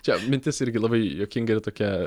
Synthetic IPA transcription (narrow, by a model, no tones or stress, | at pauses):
t͡ʃʲɛmʲɪnʲt̪ʲɪsɪɾʲɡʲɪlˠɐbɐɪjoːkʲɪŋɡɐɪɾt̪oːkʲɛ